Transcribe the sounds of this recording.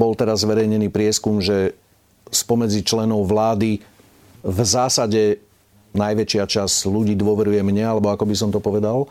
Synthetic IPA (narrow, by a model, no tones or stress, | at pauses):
bɔlt̪ɛɾazːʋɛɾɛjɲɛniːpɾɪɛskumʒɛ | spɔmɛd͡zit͡ʃlɛnɔʊʋlaːd̪i | vzaːsaɟɛ | najʋɛt͡ʃɪat͡ʃazluɟiːd̪ʊɔʋɛɾujɛmɲɛalɛbɔakɔbisɔmt̪ɔpɔʋɛd̪al